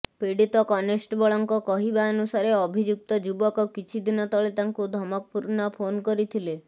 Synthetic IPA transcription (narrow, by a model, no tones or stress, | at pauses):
piɽit̪ɔkɔnesʈbɔɭɔŋkɔkɔɦibaɔnusaɾeɔbʱid͡ʒuk̚t̪ɔd͡ʒubɔkɔkit͡ʃʰid̪inɔt̪ɔɭet̪aŋkud̪ʱɔmɔk̚puɾnɔpʰonkɔɾit̪ʰile